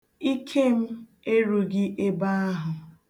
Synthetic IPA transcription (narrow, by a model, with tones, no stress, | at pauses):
i˦kʰe˦m̩˦ | e˦ɾu˨ɡɪ˦ʔe˦ba˦a˦ɦʊ˨